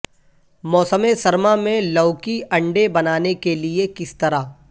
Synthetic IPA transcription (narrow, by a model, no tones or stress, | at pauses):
mɔːsəmesɐɾmamẽlɐːkiɐ̃ɳɖebɐnaːnekeliekɪst̪ɐɾaː